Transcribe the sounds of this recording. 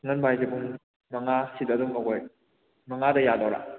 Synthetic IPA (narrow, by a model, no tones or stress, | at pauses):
ŋɐnbajzibuŋ | mɐŋasitɐduŋmɐɡoj | mɐŋadɐjadoɾa̰